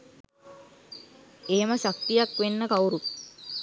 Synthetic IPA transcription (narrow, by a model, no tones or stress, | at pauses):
eɦeməsak̚t̪ijakʋenːəkawɾu